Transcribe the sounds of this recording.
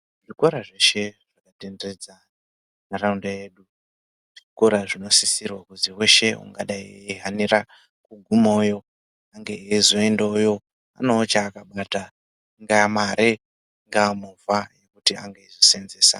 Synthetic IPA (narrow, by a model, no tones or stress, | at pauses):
ʐiko̞ɾaʐeʃe̞ʐ̥akatendered͡za | naɾaundeje̞ːɗu | ʐ̥iko̞ɾaʐino̞sisirwakuziwe̞ʃe̞ṵŋɡaɗaieɦaniɾa | kuɡʱumoːjo̞ | aŋɡeezoendaujo̞ | a̰no̞ːt͡ʃaːkaɓata | ŋɡamaɾe | ŋɡamuvaje̞kutia̰ŋɡeizosenzeːsa̰